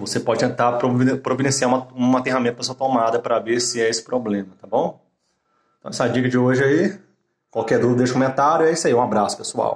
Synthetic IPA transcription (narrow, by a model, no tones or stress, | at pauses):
vosepɔd͡ʒɪt̪ẽnt̪apɾopɾovid̪ẽsiaɾũmɐũɐt̪ẽɦamẽt̪ɐpɐsuɐt̪omad̪ɐpɾɐaveɾsɪɛesɪ̥pɾoblẽmɐt̪abõw̃ | t̪ɐ̃ɛsad͡ʒikɐd͡ʒɪoʒɪɐi | kwawkɛd̪ud̪ʊd̪eʃɐkomẽnt̪aɾjʊɛisɐiũabɾasʊ̥pesua̰w